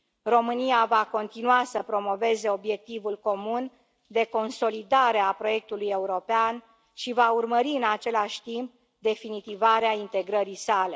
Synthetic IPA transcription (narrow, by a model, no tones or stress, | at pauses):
ro̞mɨniavako̞nt̪inuasəpɾo̞mo̞ve̞ze̞obje̞k̚t̪ivulko̞mun | d̪e̞ko̞nso̞lid̪aɾe̞apɾo̞je̞k̚t̪uluje̞uɾo̞pean | ʃivaurməɾiɨnat͡ʃe̞laʃʲt̪imp̚ | d̪e̞finit̪ivaɾeaint̪e̞ɡɾəɾisale̞